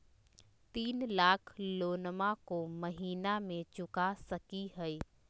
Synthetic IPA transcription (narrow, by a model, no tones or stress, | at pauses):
t̪iːnlaːkʰloːnmakoməɦiːnamẽt͡ʃʊkasəkiɦəi